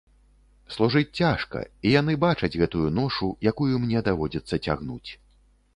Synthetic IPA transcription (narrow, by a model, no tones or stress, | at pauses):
slˠuʐɨt͡sʲt͡sʲaʂkɐ̰ijan̪ɨbat͡ʂɐd͡zʲɣɛt̪ujunɔʂujakujumnʲɛd̪avɔd͡zʲɐt̪sːɐt͡sʲa̰ɣnṵt͡sʲ